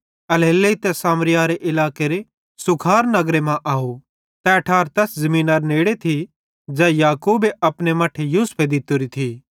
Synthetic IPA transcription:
ɐlɦelːeit̪ɛsaːmɾɪjaːɾeʔɪlaːkeɾe | sʊkʰaːɾnɐɡɾemãʔaːu | t̪ɛɐʈʰaːɾt̪ɛszɐmĩːnaɾneːɽet̪ʰi | d͡ʒɛːjaːkuːbeɐpnemaʈʰejuːspʰed̪ɪt̪ʊɾit̪ʰi

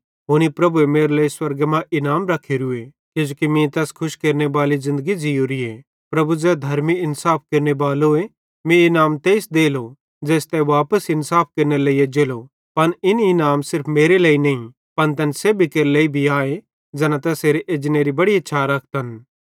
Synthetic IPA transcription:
ɦoːnipɾɐbuemeːɾeleːiswɐɾɡmãʔɪnaːmɾɐkʰːeɾʊe | ked͡ʒoːkimĩt̪ɛːskʰʊʃkeːɾnebaːlizɪ̃nd̪əɡid͡ʒijoɾie | pɾɐbud͡zɛːd̪ʱɐɾmiɪnsaːp̚ʰkeːɾnebaːloe | mẽɪnaːmt̪eːsd̪eːlo | d͡ʒɛːst̪ɛʋaːpəsɪnsaːp̚ʰkeːɾneleːiːed͡ʒeːlo | pɐnɪnɪnaːmsɪɾpʰmeːɾeleːinɐĩ | pɐnt̪ɛːnsebʱikeːɾleːibʱiaːe | d͡ʒɛːnãt̪ɛːseːɾeʔeːd͡ʒneːɾibɐɽiɐt͡ʃʰaːɾɐkʰt̪ɦɐn

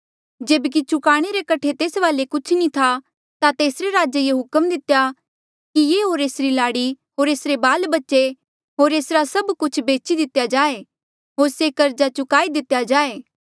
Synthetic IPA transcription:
d͡ʒeːbk̬it͡ʃʊkaːɽ̃eɾekɐʈʰet̪eːsʋaːlekʊt͡ʃʰnĩt̪ʰa | t̪at̪eːsɾeɾaːd͡ʒejeɦʊkəmd̪ɪt̪ja | kijeːɦoːɾeːsɾilaːɽi | ɦoːɾeːsɾebaːlbɐtːʃe | ɦoːɾeːsɾasɐbkʊt͡ʃʰbeːt͡ʃid̪ɪt̪jad͡ʒaːe | ɦoːɾsekɐɾd͡ʒat͡ʃʊkaːid̪ɪt̪jad͡ʒaːeː

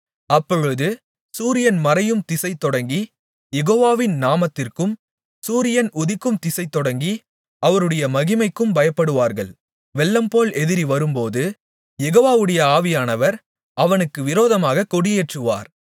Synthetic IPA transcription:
ɐpːɔɻɯðɯ | suːɾɪjɐnmɐɾɐjɯmt̪ɪsɐɪt̪ːɔɽɐŋɡi | jɛɣoːʋaːʋɪnnaːmɐt̪ːɪrkɯm | suːɾɪjɐnʊðɪkːɯmt̪ɪsɐɪt̪ːɔɽɐŋɡi | ɐʋɐɾɯɽɐjɐmɐɣɪmɐɪkːɯmbɐjɐpːɐɽɯʋaːɾɣɐ̰ɭ | ʋɛɭːɐmpoːlɛðɪɾiʋɐɾɯmpoːðɯ | jɛɣoːʋaːʋɯɽɐjɐaːʋɪjaːnɐʋɐɾ | ʔɐʋɐnɯkːɯʋɪɾoːðɐmaːɣɐkɔɽɪjeːʈrɯʋa̰ːɾ

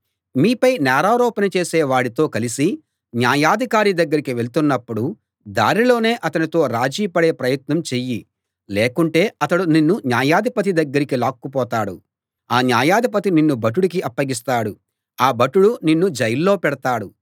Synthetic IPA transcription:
miːpɐjnɛːɾaːɾɔːpɐnɐt͡ʃe̞ːseːʋaːɽit̪o̞ːkɐlisi | njaːjaːd̪ʱikaːɾid̪ɐɡːɐɾikiʋe̞lt̪unːɐpːuɽu | d̪a̰ːɾilo̞ːne̞ːʔɐt̪ɐnit̪o̞ːɾaːd͡ʒiːpɐɽe̞ːpɾɐjɐt̪nɐmt͡ʃeji | leːkuɳʈe̞ːɐt̪ɐɽuninːunjaːjaːd̪ʱipɐt̪̬id̪ɐɡːɐɾikilaːkːupɔːt̪aːɽu | aːnjaːjaːd̪ʱipɐt̪ininːubɐʈ̬ːuɽik̬iʔɐpːɐɡis̬t̪aːɽu | aːbɐʈːuɽuninːud͡ʒɐjilːo̞ːpɛɽɐt̪aːɽu

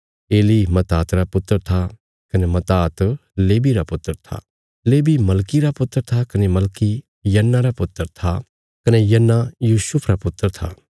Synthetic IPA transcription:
eːlimɐt̪aːt̪ɾapʊt̪ːəɾt̪ʰa | kɐnemɐt̪aːt̪leːbiɾapʊt̪ːəɾt̪ʰa̰ | leːbimɐlkiɾapʊt̪ːəɾt̪ʰakɐnemɐlki | jɐnːaɾapʊt̪ːəɾt̪ʰa | kɐnejɐnːajuːsʊpʰɾapʊt̪ːəɾt̪ʰa̰

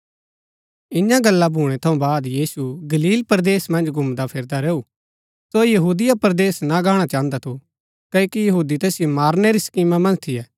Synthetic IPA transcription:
ɪɲãɡɐlːabʱuːɽ̃ɛt̪ʰɐũbaːd̪jiːsuɡɐliːlpəɾd̪eːsmɐ̃nd͡ʒɡʱʊ̃md̪apʰɪɾd̪aɾeːu | sojɐɦuːd̪ɪjapɐɾd̪eːsnaɡaːɽ̃at͡ʃãːnd̪at̪ʰo | kɐokijɐɦuːd̪it̪ɛːsjomaːɾneɾisɐ̥kiːmamɐ̃nd͡ʒt̪ʰijɛː

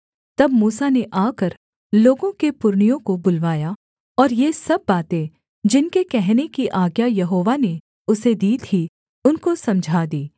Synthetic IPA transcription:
t̪ɐbmuːsaneʔaːkɐɾ | loːɡõkepʊɾɳijõkobʊlʋaːja | ɔːɾjesɐbːaːt̪ẽ | d͡ʒɪnkekɛɦnekiʔaːɡjajɐɦoːʋane | ʊsed̪iːt̪ʰi | ʊnkosɐ̃md͡ʒʱaːd̪iː

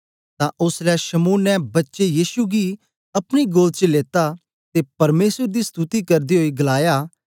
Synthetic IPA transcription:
t̪ãʔʊslɛʃɐmuːnːɛ̃bɐtːʃejiːsuɡi | ɐpɽ̃iɡoːlt͡ʃəleːt̪a | t̪epɐɾmeːsəɾd̪ist̪ut̪ikɐɾd̪iɦoːiɡɐlaːjaː

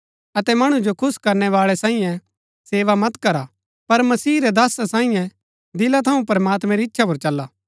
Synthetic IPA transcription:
ɐt̪ɛmɐɽ̃ũd͡ʒokʰʊskɐɾnɛʋaːɭɛsãːĩjɛ̃ | seːʋamɐt̪kɐɾa | pɐɾmɐsiːɾɛd̪aːsasãːĩjɛ̃ | d̪ɪlat̪ʰɐũpɐɾmaːt̪mɛ̃ɾiɪtːʃʰap̬oɾt͡ʃɐlːaː

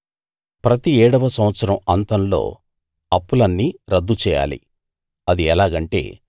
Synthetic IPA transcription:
pɾɐt̪iɛːɽɐʋɐsɐmʋɐt̪sɐɾɐmɐnt̪ɐnlo̞̰ː | ɐpːulɐnːiɾɐd̪ːut͡ʃɛːja̰ːlḭ | ɐd̪iɛlaːɡɐɳʈe̞̰ː

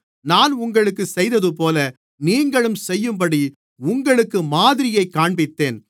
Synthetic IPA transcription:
naːnʊŋɡɐɭɯkːɯsɛjðɐðɯp̬oːlɐ | niːŋɡɐɭɯmsɛjːɯmbɐɽi | ʊŋɡɐɭɯkːɯmaːðɪɾɪjɐɪkːaːɳbɪt̪ːeːn

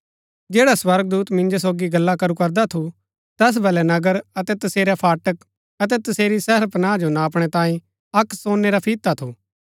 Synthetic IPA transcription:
d͡ʒeːɽaswɐɾɡ̚d̪uːt̪mɪ̃nd͡ʒos̬oːɡiɡɐlːakɐɾukɐɾd̪at̪ʰu | t̪ɛːs̬bɛlɛnɐɡəɾɐt̪ɛt̪ɐseːɾɛpʰaːʈək | ɐt̪̬ɛt̪ɐseːɾisɛɦəɾpɐnãːd͡ʒonaːɐpɽ̃ɛt̪ãːĩ | ɐksoːnːeɾapʰiːt̪ːat̪ʰuː

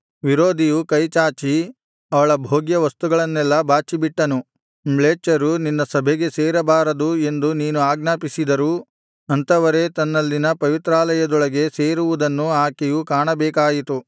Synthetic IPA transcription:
ʋiɾoːd̪ʱijukɐjt͡ʃaːt͡ʃi | ɐʋɐɭɐbʱoːɡjɐʋɐst̪uɡɐɭɐnːɛlːɐbaːt͡ʃibiʈːɐnu | mɭeːt͡ʃɐɾuninːɐsɐbʱɛɡe̞seːɾɐbaːɾɐd̪ue̞nd̪uniːnuaːɡnaːpisid̪ɐɾu | ɐnt̪ɐʋɐɾe̞t̪ɐnːɐlːinɐpɐʋit̪ɾaːlɐjɐd̪ɔɭɐɡe̞seːɾuʋud̪ɐnːuaːkejukaːɳɐbɛːkaːjit̪u

